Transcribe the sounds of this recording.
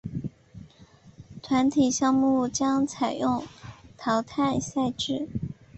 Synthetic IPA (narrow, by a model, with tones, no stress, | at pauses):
t̪ʰwa˧˥nt̪ʰi˨˩ɕjɑ˥˧ŋmu˥˩t͡ɕjɑ˥ŋt͡sʰa˨˩ɪjʊ˥˩ŋt̪ʰɑ˧˥ʊt̪ʰa˥˧nsa˥˧ɪʈ͡ʂɻ̩˥˩